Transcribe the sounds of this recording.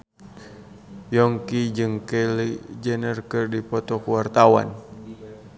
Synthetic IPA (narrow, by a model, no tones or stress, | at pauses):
jɔŋkid͡ʒɨŋkɛlid͡ʒənərkɨrdipɔt̪ɔkuwart̪awa̰n